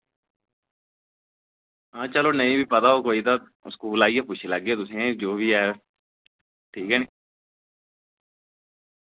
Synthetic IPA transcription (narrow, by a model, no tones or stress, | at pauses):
ãːt͡ʃəloːnəĩːbiːpət̪aːɦoːkoːiːt̪aː | ʊ̰skuːlaːijãːpʊt͡ʃʰʃʰeləɡeːt̪ʊsĩãd͡ʒoːbiːɛː | ʈʰiːkɛːniː